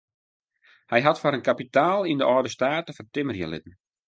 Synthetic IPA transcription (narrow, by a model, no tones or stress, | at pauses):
hɛjɦatfaɾənkapitaːlˠindəʔɔːdəstaːtəfərtɪmərjə̰lɪ̰tn̩